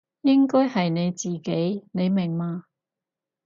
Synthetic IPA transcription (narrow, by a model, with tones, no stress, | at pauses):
jɪ˥ŋkɔː˥jhɐ˨jne˨˧jt͡siː˨ke˨˥jne˨˧jmɪ˨˩ŋmaː˧